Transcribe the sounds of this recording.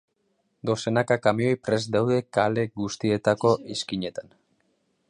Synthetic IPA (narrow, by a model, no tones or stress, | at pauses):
d̪o̞se̞nakakamio̞jpɾe̞zd̪awðe̞kale̞ɡust̪ie̞t̪ako̞ʔiskiɲe̞t̪an